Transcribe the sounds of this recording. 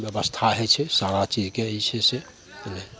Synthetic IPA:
bjəʋəst̪ʰaɦɛt͡ʃʰɛsaːɾat͡ʃiːd͡ʒkeit͡ʃʰɛsɛ | nɛ

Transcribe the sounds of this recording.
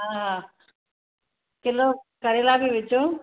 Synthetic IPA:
ɦaɦã | kɪlokəɾelaːbʱiʋɪt͡ɕõː

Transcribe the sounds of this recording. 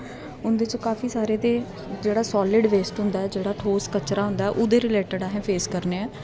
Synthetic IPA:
ʊnd̪ɪt͡ʃkaːfiːsaːɾeːt̪eː | d͡ʒeːɽaːsɔːlɪɖʋeːsʈɦʊ̃nd̪aːɛːd͡ʒeːɽaːʈʰoːskət͡ʃːɾaːɦʊ̃nd̪aːɛʔʊd̪eːɾɪleːʈəɖaːɦɛ̃ːpʰeːskəɾneːɛː

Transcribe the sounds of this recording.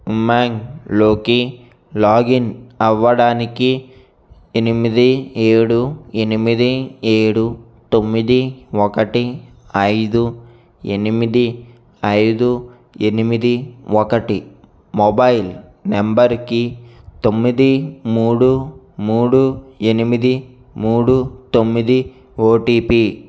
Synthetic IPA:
maːŋloːki | laːɡinɐʋːɐɽaːnikːi | enimid̪ieːɽuenimid̪ieːɽu | t̪omːid̪iʋɔkɐʈi | ɐjd̪u | enimid̪i | ɐjd̪u | enimid̪iʋɔkɐʈi | mɔbɐjil | nembɐɾki | t̪omːid̪imuːɽu | muːɽuenimid̪i | muːɽut̪omːid̪i | oːʈiːpi

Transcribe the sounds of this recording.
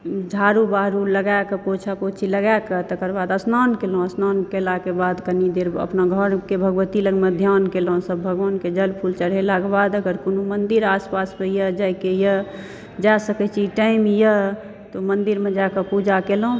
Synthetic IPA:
d͡ʒʱaɾubaɾuləɡaekəpot͡ʃʰapot͡ʃʰiləɡajkət̪əkəɾbad̪əsnankelõəsnankelakebad̪kənid̪eɾə̰pnaɡʱəɾkebʱəɡʋət̪iləɡmẽd̪ʱjankelɦõsəbːʱəɡʋaːnked͡ʒəlpʰult͡ʃəɽ̤ɦelakebad̪əɡəɾkonumənd̪iɾaspasmejəd͡ʒajkejə | d͡ʒasəkɛt͡ʃʰiʈaimjə | t̪omənd̪iɾmẽd͡ʒakəpud͡ʒakelõ

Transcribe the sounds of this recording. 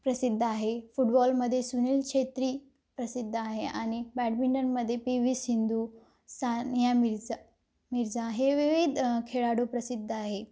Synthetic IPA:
pɾəsid̪ʱːəaɦefuʈbɔlməd̪ʱːjesuniːlkʂet̪ɾiː | pɾəsid̪ʱːəaɦeañibæʈbiɳɖəɾməd̪ʱːjepiʋisind̪u | sanjam | miɾd͡zaɦeʋiʋid̪kʰeɭaɽopɾəsid̪ʱːəaɦe

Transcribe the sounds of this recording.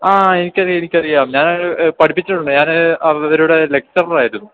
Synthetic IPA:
aːe̞nikʲːɐrijenikʲːɐrijɐaːmɲaːnpɐʈʰipːit͡ɕːiʈːuɳɖɨɲaːnɐʋɐɾuːɽele̞k̚t͡ɕɐrɐlɐraːjiɾunːu

